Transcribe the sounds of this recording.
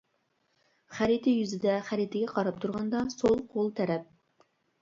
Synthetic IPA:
χæɾit̪ʰɪjyzɪd̪ɛχæɾit̪ɪɡʲɛqʰɑɾɑp̚t̪ʰuɾʁɑnd̪ɑsolˠqʰolˠt̪ʰɛɾɛp̚

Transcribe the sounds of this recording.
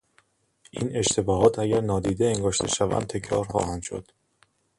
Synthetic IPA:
ʔiːne̞ʃt̪ʰe̞bɒːɦɒːt̪ʰæɟæɾnɒːd̪iːd̪eeŋɡɒːʃt̪ʰe̞ʃævæ̰n̚t̪ʰe̞cʰɾɒ̰ːɾxɒ̰ːhænʃo̞̰d̪̥

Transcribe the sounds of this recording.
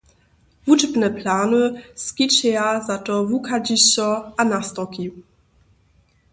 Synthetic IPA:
vud͡ʒbnɛplaːnɨskʲit͡ʃɛjazatɔvukʰad͡ʑiɕɔanast̪ɔki

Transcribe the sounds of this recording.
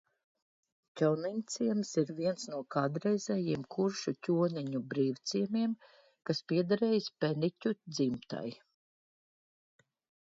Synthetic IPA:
cʲɔwnint̪siɛmsiɾviɛnsnuɔkʰaːd̪ɾɛjzɛjiɛmkʰuɾʃucʲuɔniɲubɾiːwt̪siɛmiɛm | kaspiɛd̪aɾɛːjispɛnicʲud̪zimt̪a̰j

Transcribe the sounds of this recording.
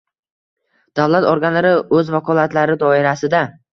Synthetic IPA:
d̪̥awlat̪oɾɡʲanlaɾɪɵzvakʰɒlat̪laɾɪd̪ɒɪɾasɪd̪a

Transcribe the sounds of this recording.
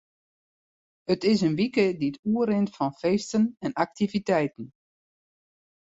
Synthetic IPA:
ətɪsənʋikəditʰuəɾɪntfɑnfeːstənɛnak̚tivitɛjtən̩

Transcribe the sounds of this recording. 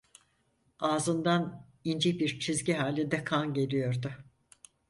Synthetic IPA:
aːzɯnd̪an | ind͡ʒibiɾt͡ʃʰizɟiɦaːlʲid̪ɛkʰanɟe̞lʲijoɾd̪ʊ

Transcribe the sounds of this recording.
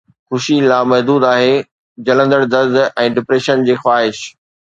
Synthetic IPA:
xʊʃilaːmɐɦd̪uːd̪aːɦeː | d͡ʑɐlə̃nd̪əɽd̪ɐzd̪ɛ̃ːɖɪpɾeːʃənd͡ʑeːxwaːɦɪʃ

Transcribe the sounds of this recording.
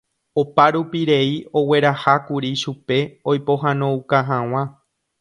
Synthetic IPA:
opaɾupiɾe̞io̞we̞ɾahakuɾiʃupe̞ojpo̞ɦãnõukaɦãw̃ã

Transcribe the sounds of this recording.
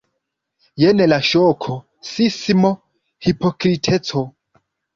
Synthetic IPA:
jenelaʃokʰo | sismo | hipokɾitʰet͡so

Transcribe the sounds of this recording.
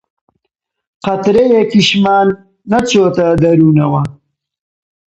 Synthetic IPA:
qɐt̪ɾejekiʃmaːnː | at͡sot̪ad̪ɐɾunawa

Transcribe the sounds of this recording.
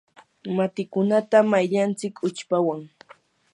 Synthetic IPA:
mat̪ɪkʊnat̪amajʎant͡sɪkʰʊt͡ʃpawaŋ

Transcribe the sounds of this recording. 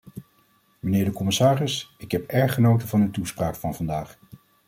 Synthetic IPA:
mənɪːɹdəkɔmɪsaːrɪsɪkɦɛpɛɹχənowtəvɑnətuspraːkfɑnvɑndaːχ

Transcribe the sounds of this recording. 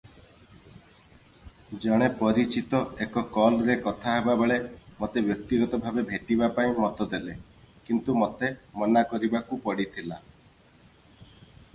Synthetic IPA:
d͡ʒɔɽ̃epɔɾit͡ʃit̪ɔekɔkɔlɾekɔt̪ʰaɦebabeɭemot̪ebjɔk̚t̪iɡɔt̪ɔbʱabebʱeʈibapaĩmɔt̪ɔd̪ele | kint̪umot̪emɔnakɔɾibakupɔɽit̪ʰila

